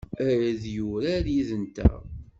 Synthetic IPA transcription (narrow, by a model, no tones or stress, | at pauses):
æɾæðjuɾaɾjiðənt̪æ̰